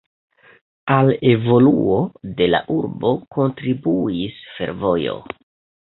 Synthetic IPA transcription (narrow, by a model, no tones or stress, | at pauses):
ale̞vo̞lṵo̞de̞la̰ʔuɾbo̞ko̞ntɾibuisfe̞̰ɾvo̞jo̞̰